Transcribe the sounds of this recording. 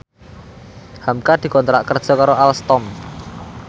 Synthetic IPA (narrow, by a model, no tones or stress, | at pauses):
hamkad̪̥i̤kɔnt̪ɾaʔkərd̥ʒ̥ɔ̤kaɾoʔalst̪ɔm